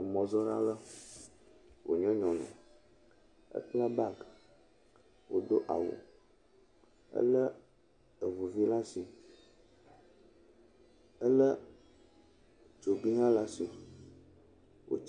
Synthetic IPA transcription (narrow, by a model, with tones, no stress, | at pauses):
mɔ̃˨zɔ˦ɖa̰˦lə˦ | wʔo̰˨ɲɔ̃˦ɲɔ̃˨nɔ̰̃˨ | ə̰˦k͡pla˦ba˦ɡ | wo˨ɖo˦ʔa̰˨wo̰˨ | ə̰˦lə˦ | ə˨vu˨vi˦la˦si˨ | ə˦lə˦ | t͡ʃo˨bi˦ɦã˦la˦si˨ | wo̰˨t͡ʃ